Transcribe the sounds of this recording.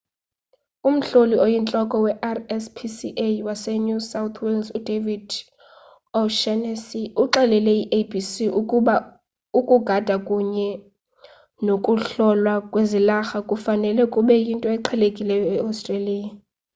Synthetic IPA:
um̩ɬoliojint͡ɬʼɔkʼɔwɛʔarɛspʰisiʔewasɛɲusawt̪ʰwɛlsudʱevid | ɔʃɛnɛsiuǃɛlɛlɛiʔebʱisiʔuuɓa | ukʼuɡ̥ʱad̥ʱakʼuɲɛ | nokʼuɬɔlwakʼwezilaxakʼufanɛlɛkʼuɓɛjintʼɔɛǃʰɛlekʼilɛjɔɛawstʼreliːa

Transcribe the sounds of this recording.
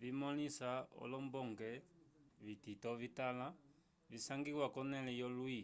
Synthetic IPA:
vimɔlisaɔ̰lɔmbɔŋɡɛ | βititɔβitala | βisaŋɡiɣwakɔnɛlɛjɔlwi

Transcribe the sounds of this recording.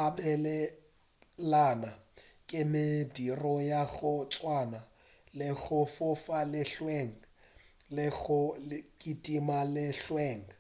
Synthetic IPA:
abɛlɛ | lanakʼɪmɪdirɔjaɣʊt͡sʼwana | lɪɣʊfʊfalɪɬweŋ̩ | lɪɣʊkʼitʼimalɪɬweːŋ̩

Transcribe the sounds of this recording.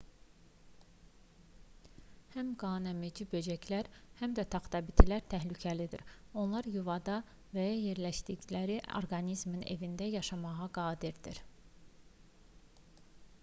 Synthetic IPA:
hæmɡɑːnæmid͡ʒibø̞d͡ʒæclæɾhæmd̪æt̪ʰɑχt̪ʰɑbit̪ʰilæɾt̪ʰæɦlycʰælid̪ḭɾ | o̞nlˠɑɾjuvɑd̪ɑ | væjɑje̞ɾlæʃd̪iɟlæɾio̰ɾɡɑnizmine̞̰vind̪æjɑʃɑmɑʁɑɡɑːd̪iɾd̪ḭɾ

